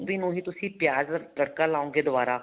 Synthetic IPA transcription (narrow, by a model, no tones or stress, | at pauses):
binũːɦĩːt̪ʊsĩːpjaːzləɽkaːlaːõːŋɡeːd̪ʊʋaːɾaː